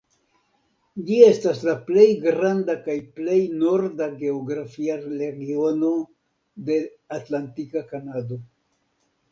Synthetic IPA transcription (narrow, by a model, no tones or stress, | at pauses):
d͡ʒie̞staslaple̞jɡɾandakajple̞jno̞ɾdaɡe̞oɡɾafiaɾe̞ɡio̞no̞ | de̞ | atlantikakanado̞